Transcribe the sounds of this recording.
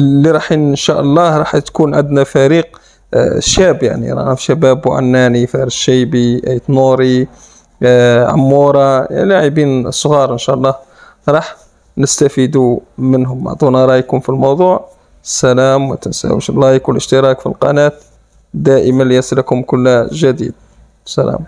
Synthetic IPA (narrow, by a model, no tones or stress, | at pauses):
lːiɾˤɑħinənʃæʔəlˤːɑɾˤɑħt̪kunʕəd̪næfæɾiːq | ʃæbja̰ʕnḭɾˤɑ̰fʃæbæbwʕa̰nːænifæɾiʃæjbiʔjt̪nuɾi | ʕa̰mːuɾˤɑ̰laʕibinsːˤɣɑɾˤʔənʃæʔɑlˤːɑh | ɾˤɑħ | nəst̪æfid̪umənɦʊmːa̰ʕd̪ˤunɑɾˤɑjkʊmfilmɑwd̪ˤuːʕ | sːælæmwə̰t̪ənsæ̰wə̰ʃəllɑjkwəlʔəʃt̪əɾˤɑkfḭlqɑ̰næt̪ | d̪æʔəmanljæsəlækhʊmkʊlːæʒæd̪ḭd̪̚ | sælæ̰m